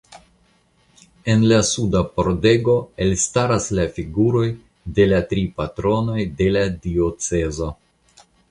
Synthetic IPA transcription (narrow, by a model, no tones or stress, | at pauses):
e̞nlasudapo̞ɾde̞ɡo̞e̞lstaɾaslafiɡuɾo̞j | de̞latɾipatɾo̞no̞jde̞ladio̞t͡se̞zo̞